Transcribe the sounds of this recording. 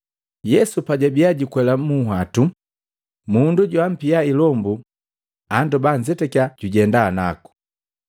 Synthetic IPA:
jɛsupaɟabiaɟikwɛlamuɦwatu | munduɟwam̩piailɔmbu | andɔbaɲd͡ʒɛtɛkiaɟ̥uɟɛndana̰ku̥

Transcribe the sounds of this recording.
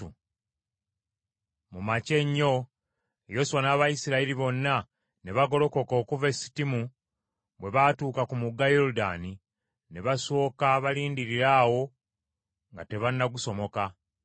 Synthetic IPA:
u | mumace̞ɲːo̞ | ejo̞suwanaːβajisiɾaiɾiβo̞nːa | ne̞βaɡo̞lo̞ko̞ko̞ːkuvesi̥timu | bwe̞βatuːkakumuɡajo̞ɾuda̰ːni | ne̞βaso̞ːkaβaliːndiɾiɾaːwo̞ | ŋɡate̞βanːaɡuso̞mo̞ka

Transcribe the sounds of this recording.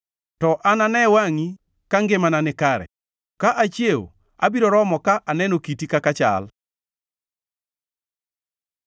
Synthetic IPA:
tɔʔananɛwaŋi | kaŋɡɪmananɪkaɾɛ̰ | kaʔat͡ʃjew | abiɾoɾɔmɔkaʔanɛnokitikakat͡ʃa̰l

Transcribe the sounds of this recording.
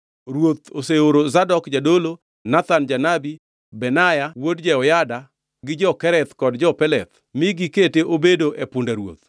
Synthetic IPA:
ɾwot̪oseoɾozadɔkd͡ʒadolo | nat̪and͡ʒanabi | bɛnajawodd͡ʒɛɔjada | ɡɪd͡ʒɔkɛɾɛt̪kɔdd͡ʒɔpɛlɛt̪ | miɡɪketeʔobedoʔepʊndaɾwo̰t̪̚

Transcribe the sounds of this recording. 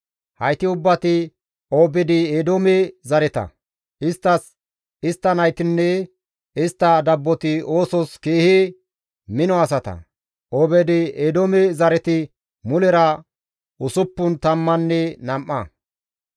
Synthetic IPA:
hɐjt̪ɪʊbːɐt̪ɪ | obɛd̪ɪed̪omɛzɐɾɛt̪ɐ̰ | ɪst̪ːɐs | ɪst̪ːɐnɐjt̪ɪnːɛ | ɪst̪ːɐd̪ɐbːɔt̪ɪo̞ːsɔskeːhe | mɪnɔɐs̬ɐt̪ɐ̰ | obɛd̪ɪed̪omɛzɐɾɛt̪ɪ | mʊlɛɾɐ | ʊsʊpːʊnt̪ɐmːɐnːɛnɐmʔːɐ̰

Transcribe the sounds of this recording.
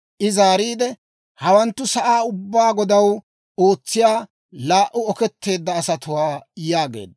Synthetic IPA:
ʔɪzaːɾiːd̪ɛ | hɐwɐnt̪ːʊsɐʔaːʊbːaːɡɔd̪ɐw | ʔo̞ːt͡sːɪjaː | laːʔʊɔkɛt̪ːe̞ːd̪ːɐːsɐt̪ʊwaːjaːɡe̞̰ːd̪ɐ

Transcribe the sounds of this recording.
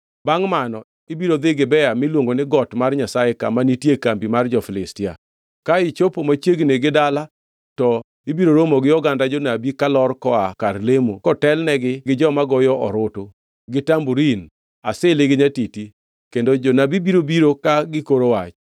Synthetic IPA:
baŋmanɔ | ibiɾod̪ɪɡɪbɛamɪlwoŋɡonɪɡɔtmarɲasaeka̰manitjekambimard͡ʒɔfɪlɪstɪa̰ | kaɪt͡ʃopomat͡ʃeɡneɡɪdala | tɔ | ibiɾoɾomoɡɪjɔɡandad͡ʒonabikalɔrkɔakarlemokɔtɛlnɛɡɪɡɪd͡ʒɔmaɡɔjɔʔɔ̰ɾoto | ɡɪtambuɾin | a̰seleɡɪɲatiti | kendod͡ʒonabibiɾobiɾokaɡɪkoɾowat͡ʃ

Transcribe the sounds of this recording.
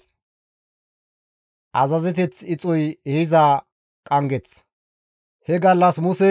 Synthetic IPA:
ʔɐzɐzɛt̪̬ɛt͡sɪt͡sʼɔjɛhɪzaː | kʼɐŋɡɛt͡s | hɛɡɐlːɐsmʊsɛ

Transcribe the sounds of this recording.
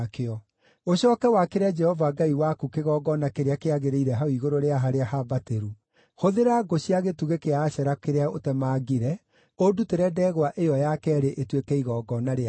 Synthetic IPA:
keɔ | oɕɔːkɛwakeɾead͡ʒɛhɔvaɡaiwakukeɣɔːɡɔnakeɾeakeaɣeɾeiɾɛɦaoiɣoɾoɾeaɦaɾeahabateɾu | hoðeɾaɡoɕiaɣetuɣekeaːɕɛɾakeɾeaotɛmaːɡiɾɛ | oduteɾɛdɛɣwaʔejɔjakɛɾeʔetwekɛiɣɔːɡɔnaɾea

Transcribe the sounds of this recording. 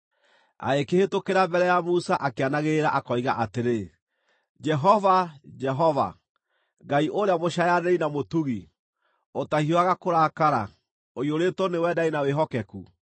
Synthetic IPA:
a̰ekehetokeɾambɛɾɛjamusaʔakeanaɣeɾaʔakɔiɣaʔateɾe | d͡ʒɛɦɔvad͡ʒɛɦɔva̰ | ɡaiʔoɾeamoʃajanɛinamotuɣi | otahioaɣakoɾakaɾa̰ | ojoɾetɔnewɛdainaweɦɔkɛkṵ

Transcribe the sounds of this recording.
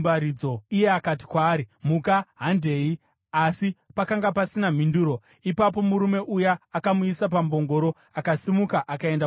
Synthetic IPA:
baɾid͡zo̞ije̞akati̥kwaːɾimukaɦande̞i | asipakaŋɡapasinam̤induːɾo̞ | ipap̬o̞muɾume̞ʔujaːkamuisap̬ambo̞ŋɡo̞ɾo̞ | akasimukaʔakae̞nda

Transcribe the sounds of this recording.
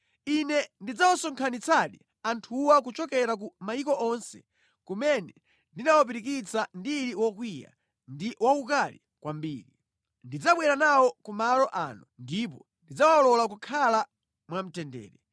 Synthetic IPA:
inɛndid͡zawasɔŋkʰanit͡saɗi | antʰuwak̬ut͡ʃɔkɛɾak̬umaikɔʔɔnsɛ̥ | kumɛnɛ | ndinawap̬iɾikit͡sandiɾiwɔkwija̰ | ndiwakukalḭ | kwambiːɾi | ndid͡zaɓwɛɾanawɔkumalɔʔa̰nundip̬ɔ | ndid͡zawaɔlɔlak̬ukʰala | mwam̩tɛndɛ̰ːɾɛ

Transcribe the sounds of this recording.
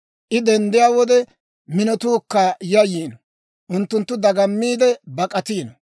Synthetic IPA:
ʔɪd̪ɛnd̪ɪjaːwɔd̪ɛ | mɪnɔt̪uːkːajɐjiːnɔ | ʔʊnt̪ːʊnt̪ːʊd̪ɐɡɐmːiːd̪ɛbɐkʼɐt̪iːnɔ

